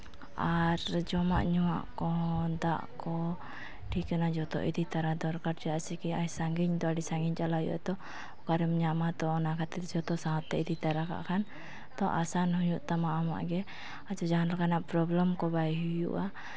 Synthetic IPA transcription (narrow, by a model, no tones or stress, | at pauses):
aɾd͡ʒɔma̰ʔɲuwa̰ʔkɔd̪aʔkɔ | ʈikanad͡ʒɔt̪ɔ̰ʔḭd̪it̪aɾad̪ɔɾkaɾd͡ʒɔjaʔsikiajsaŋɡiɲd̪ɔaɖisaŋɡiɲt͡ʃalajṵʔa̰t̪ɔ | kaɾɛmɲamat̪ɔɔnakʰat̪ɛt̪d͡ʒɔt̪ɔsaɦɔt̪ːɛʔid̪it̪aɾaka̰ʔkʰan | t̪ɔʔasanɦuɲuʔt̪amaʔama̰ʔɡɛ | ad͡ʒɔd͡ʒaɦanlakanaʔpɾɔblɔmkɔbajɦujṵʔa